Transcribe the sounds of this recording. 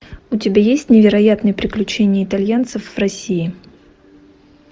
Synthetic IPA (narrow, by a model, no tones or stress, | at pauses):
ʊtʲɪbʲajesʲtʲnʲɪvʲɪɾɐjat̪nɨjəpɾʲɪklʲʉt͡ɕenʲɪjəɪt̪ɐlʲjant̪səfv̥rɐsʲiɪ